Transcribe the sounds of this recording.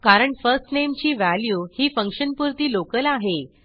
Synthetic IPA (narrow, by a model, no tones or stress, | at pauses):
kaɾəɳfəɾsʈnemt͡ɕiːʋæljuːhiːfəŋkʂənpuɾt̪iːlokəlaɦe